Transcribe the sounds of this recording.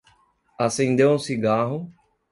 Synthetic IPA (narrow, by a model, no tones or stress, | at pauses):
asẽnd̪ewũsiɡaɦʊ